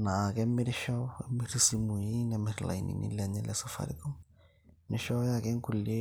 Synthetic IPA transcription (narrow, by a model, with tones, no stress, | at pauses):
na˨kɛ˦mɪ˦ɾɪ˦ʃɔ˦ɛ̰˦mɪ˦ɾisi˦mu˨i˦nɛ˨mɪ˨ɾla̰˨i˨nḭ˨nḭ˦lɛ˦ɲɛ˦lɛ˦sɔ˦fa̰˨ɾḭ˦kɔ˦ŋ | nɪ˦ʃɔ˦jakɛ˦ŋ˦ku˨le˦